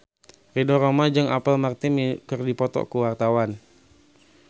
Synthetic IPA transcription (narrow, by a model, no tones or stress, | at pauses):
ridɔɾomad͡ʒɨŋapəlmart̪imikərdipɔt̪ɔ̰kuwart̪awan